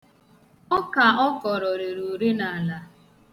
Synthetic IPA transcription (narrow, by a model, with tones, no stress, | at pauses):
ɔ˦ka˨ɔ˦kɔ˨ɾɔ˨ɾe˨ɾu˨ɾe˦na˨a˨la˨